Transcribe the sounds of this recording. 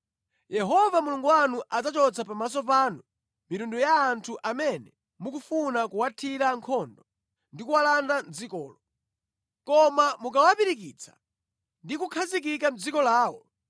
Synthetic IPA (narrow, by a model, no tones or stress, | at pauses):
jɛɦɔvamuluŋɡuwanuʔad͡zat͡ʃɔt͡sʰapamas̬ɔp̬aːnu | miɾundujaːntʰuʔamɛnɛ | mukufunakuwatʰiɾaŋkʰɔndɔ | ndikuwalandand͡zikɔːlɔ | kɔmamukawapiɾik̬it͡sʰḁ̰ | ndikukʰazikikam̩d͡zikɔlaːwɔ